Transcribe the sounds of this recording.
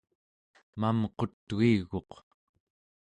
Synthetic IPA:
mamqo̞t̪ːɣiɣo̞q

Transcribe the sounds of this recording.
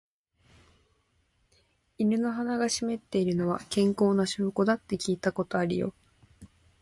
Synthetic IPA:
iɾɯ̟no̞ɦanaɡaɕime̞t̪ːe̞iɾɯ̟no̞βa̰kẽ̞ŋko̞ːnaɕoːko̞d̪at̪ːe̞kʲiːt̪ako̞t̪o̞aɾʲḭjo̞̰

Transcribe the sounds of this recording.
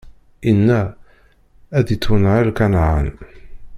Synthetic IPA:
inːæ | æðit͡sːwənalkanʕə̰n

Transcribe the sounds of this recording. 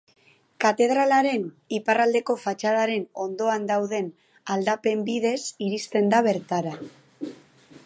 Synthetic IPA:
kat̪e̞ð̞ɾalaɾe̞n | iparald̪e̞ko̞fat͡ʃaðaɾe̞no̞nd̪o̞and̪awðe̞n | ald̪ape̞mbiðe̞siɾist̪e̞nd̪aβe̞ɾt̪aɾa

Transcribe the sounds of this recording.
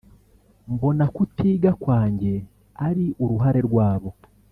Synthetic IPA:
mbo̞nakutiːɡakwaːɲɟe̞ | aɾiʔuɾuɦaɾe̞ɾɡwaːβo̞

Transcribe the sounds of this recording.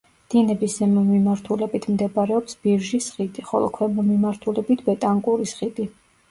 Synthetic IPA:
d̪̥inɛbiszɛmɔmimaɾt̪ʰulɛbit̪ʰmd̪ɛbaɾɛɔpsb̥iɾʒisχid̪iχɔ̰lˠɔ̰kʰwɛmɔmimaɾt̪ʰulɛbit̪ʰbɛt̪ʼaŋkʼuɾisχid̪i

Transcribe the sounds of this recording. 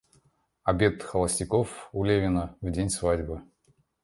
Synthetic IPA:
ɐbʲet̪xəlˠəsʲtʲɪkofulʲevʲɪnəvdʲenʲsvadʲbɨ

